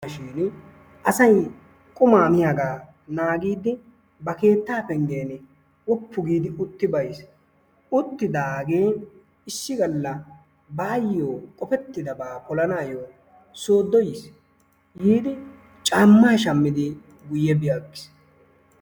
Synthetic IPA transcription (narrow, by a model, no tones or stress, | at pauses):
ʃiːn | ʔɐsɐj | kʼʊmaːmɪjaɡaː | naːɡiːd̪ɪ | bɐke̞ːt̪ːaːpɛŋɡe̞ːn | wɔpːʊɡiːd̪ɪʔʊt̪ːɪbɐjs | ʊt̪ːɪd̪aːɡe̞ː | ɪʃːɪɡɐlːɐ | baːjːoːkʼɔpɛt̪ːɪd̪ɐbaːkɔlɐnaːjoː | soːd̪ːɔjɪs | hiːd̪ɪ | t͡ʃʼaːmːaːʃɐmːɪd̪ɪ | ɡʊjːɛbɪjakːɪ̥s